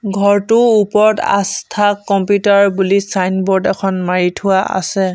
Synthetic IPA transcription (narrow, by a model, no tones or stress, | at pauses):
ɡʱɔɹtʊupɔɹɔta̰stʰakːɔmpjutaɹbulisajnbɔɹdɛkʰɔnmaɹitʰʊwaʔa̰sɛ